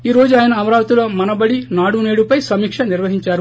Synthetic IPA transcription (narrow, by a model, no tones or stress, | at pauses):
iːɾo̞ːd͡ʒuaːjɐnɐɐmɐɾaːʋɐt̪ulo̞ːmɐnɐbɐɽinaːɽuneːɽupɐjsɐmiːkʂɐniɾʋɐɦiɲt͡ʃaːɾu